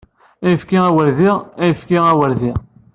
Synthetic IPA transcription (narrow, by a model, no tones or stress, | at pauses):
æjfkiæwəɾðiʁæjəfkiʁæwəɾðiʁ